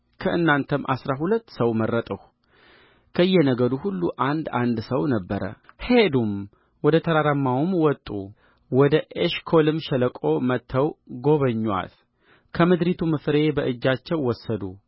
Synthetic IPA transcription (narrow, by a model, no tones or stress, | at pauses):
kʰəʔɨnːant̪ʰəmʔa̰sɾaɦulət̪ːsəwmərːət̪ʼəh | kʰəɨjːɛnəɡəd̪uhulːuʔand̪and̪səwnəbːəɾə̰hed̪um | wɔd̪ət̪ʰəɾaɾəmːawumwɔt̪ʼːṵ | wɔd̪əʔeʃkʰolɨmʃɛləkʼo̞mət̪ʰːəwɡo̞βəɲːwa̰t̪ | kʰəmɨd̪ɾit̪ʰumɨfɾe̞bəʔɨd͡ʒːat͡ʃːɛwːɔsːəd̪u